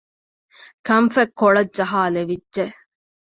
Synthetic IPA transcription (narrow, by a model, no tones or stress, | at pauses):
kɐmfɐkːoɭɐdd͡ʒɐɦaːleʋidːʒe